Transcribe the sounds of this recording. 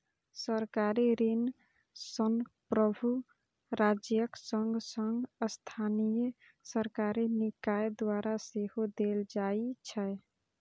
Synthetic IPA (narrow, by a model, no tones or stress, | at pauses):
səɾkaɾiɾin | sənpɾəbʱu | ɾad͡ʒjəksəŋɡsəŋɡəst̪ʰanijə | səɾkaɾinikajd̪aɾasehod̪eld͡ʒait͡ʃʰɛj